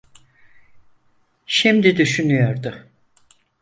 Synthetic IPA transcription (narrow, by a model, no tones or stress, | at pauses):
ʃimd̪id̪yʃynyjo̞ɾd̪ʊ